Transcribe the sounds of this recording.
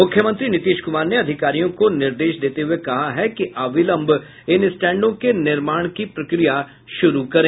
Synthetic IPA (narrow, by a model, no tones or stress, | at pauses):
mʊkʰjəmə̃nt̪ɾiːnɪt̪eːʃkʊmaːɾneəd̪ʱɪkaːɾijõkonɪɾd̪eːʃd̪eːt̪eːɦʊekɐɦaɦɛkiʔaːbɪlə̃mbʱ | ɪnɪsʈɛ̃ːɳɖõːkenɪɾmaːɳ̃kipɾəkɾija | ʃʊɾukəɾẽː